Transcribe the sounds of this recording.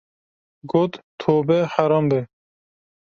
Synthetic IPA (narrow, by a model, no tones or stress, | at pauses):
ɡoːt̪t̪ʰoːbɛħaɾɑːmbe